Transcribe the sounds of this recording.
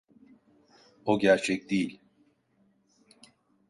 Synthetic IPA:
oɟæɾt͡ʃʰɛc̚d̪ejilʲ

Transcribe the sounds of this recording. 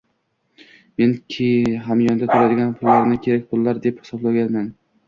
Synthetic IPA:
me̞nkʲʰeɦamjɒnd̪at̪ʰʊɾad̪ɪɡʲanpʰʊlːaɾnɪkʲʰe̞ɾak̚ʲpʰʊlːaɾd̪ephɪ̥sɒblaɡʲanman

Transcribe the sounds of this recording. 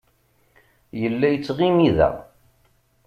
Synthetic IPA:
jəlːæjət͡sːʁimiðæ̰

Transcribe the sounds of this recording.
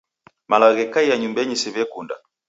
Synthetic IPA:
malaɣɛkaijaɲumbɛɲisɛβɛkunda̰

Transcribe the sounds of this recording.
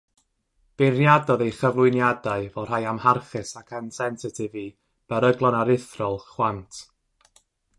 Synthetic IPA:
b̥ɪrjadɔðejχəvlˠʊɨnjadaɨvɔr̥ajamharχɨsakʰansɛnsɪtʰɪvi | b̥ɛɾəɡlˠɔnaɾɪθrɔlˠχwantʰ

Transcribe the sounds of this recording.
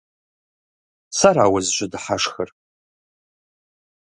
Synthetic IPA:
saɾaːwazʒʷʊdħaʂxər

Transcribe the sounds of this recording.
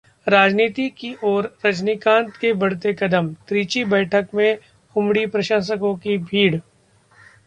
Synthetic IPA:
ɾaːd͡ʒniːt̪ikiʔɔːɾːɐt͡ʃnikãːnt̪kebɐɽ̤t̪ekɐd̪əmt̪ɾiːt͡ʃibɛːʈʰəkmẽ | hʊmɽipɾɐʃaːs̬əkõkibʱiːɽ

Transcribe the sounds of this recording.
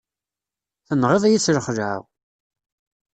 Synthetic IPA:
θənːʁeðˤæjit͡sːɾəχʒʕa̰w

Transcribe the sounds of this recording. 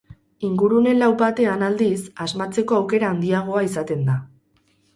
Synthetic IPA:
iŋɡuɾune̞nlawbat̪e̞anald̪isazmat͡se̞ko̞awke̞ɾaːnd̪iaɣ̞o̞aisat̪e̞nd̪a

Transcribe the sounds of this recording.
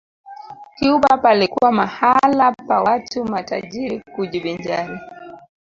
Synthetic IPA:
kiuɓapalikuwamahalapawatumata̰ʄiɾikuʄiɓiɲd͡ʒani

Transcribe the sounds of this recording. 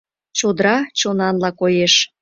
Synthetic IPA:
t͡ɕod̪ɾɑt͡ɕonɑnlɑkojeʃ

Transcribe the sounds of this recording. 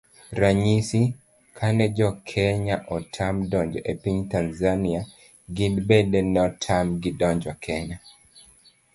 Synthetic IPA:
ɾaɲisi | kʰanɛd͡ʒɔkʰɛɲaʔɔtʰamdɔɲd͡ʒɔʔepiɲtanzania | ɡidbɛdɛnɛɔtʰamɡidɔɲd͡ʒɔkʰɛɲa

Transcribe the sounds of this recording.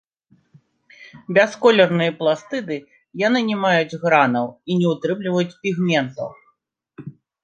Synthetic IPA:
bʲaskɔlʲɛrnɨjɐplˠast̪ɨd̪ɨ | janɨnʲɛmajud͡zʲɣɾanɐwinʲɛut̪ɾɨmlʲivɐjut͡sʲpʲiɣmʲɛnt̪ɐ̰w

